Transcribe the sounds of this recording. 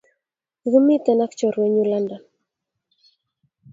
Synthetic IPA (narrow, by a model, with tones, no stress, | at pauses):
ɣə˦mi˦t̪a˨na˦kt͡ʃɔ˨ɾwɛ˦ɲu˦la˦nda˨n